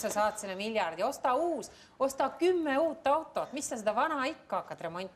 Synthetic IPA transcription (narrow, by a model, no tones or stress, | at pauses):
sɑsɑːt̪sinɑmilʲjɑrd̪jo̞st̪ɑuːs | o̞st̪ɑkymːeuːt̪ːˑɑwt̪ːˑo̞t̪misːɑsed̪ɑvɑnɑikːɑɑkːɑt̪re̞mo̞nʲt̪ʲːˑ